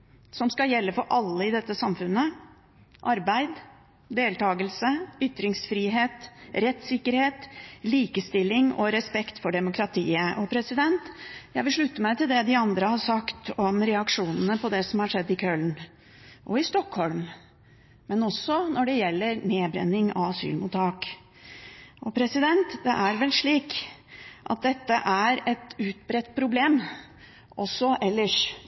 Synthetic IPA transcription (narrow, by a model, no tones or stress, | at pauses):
sɔmskɑljɛlːəfɔɾʔɑlːəɪd̪ɛt̪ːəsɑmfʉnːə | ʔɑɾbæɪd̪ | d̪eːlt̪ʰɑːɡəlsəʏt̪ːɾɪŋsfɾiːɦeːt̪ɾɛt̪sɪkːəɾheːt̪liːkəst̪ɪlːɪŋɔɾɛspɛkt̪fɔɖɛmʊkɾɑt̪ʰiːəʔɔpʰɾɛsɪd̪ɛnt̪jæɪʋɪlʂɭʉt̪ːəmæɪt̪ɪld̪ɛd̪ɪɑnd̪ɾəhɑɾʂɑkt̪ɔmɾɛɑkʂuːnənəpʰɔd̪ɛsɔmhɑʂɛd̪ːɪkʰœln | ʔɔɪst̪ɔkhɔlmː | ɛnɔsːɔnɔɖɛjɛlːəɾneːbɾɛ̰nːɪŋɑ̰ʋɑsy̰ːlmʊt̪ʰɑːk | ʔɔpʰɾɛsɪd̪ɛnt̪d̪ɛʔæɾʋɛlʂɭiːk | ʔɑ̰t̪̚d̪ɛt̪ːəʔæɾɛt̪ʉːt̪̚bɾɛt̪ːpʰɾʊbleːm | ɔsːɔʔɛlːəʂ